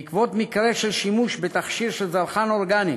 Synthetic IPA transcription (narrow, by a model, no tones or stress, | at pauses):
kvo̞t̪mikɾeʃelʃimuʃbet̪aχʃiɾʃelzalχanoɾɡani